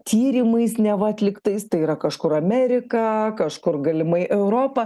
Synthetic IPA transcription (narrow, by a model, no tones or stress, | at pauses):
t̪ʰʲiːɾʲɪmɐɪsnʲɛʋɐɐt̪ʲlʲɪkt̪ɐɪst̪ɐɪiɾɐkɐʃkʊɾɐmʲɛɾʲɪkɐkɐʃkʊrɡɐlʲɪmɐɪʔɛʊɾoːpɐ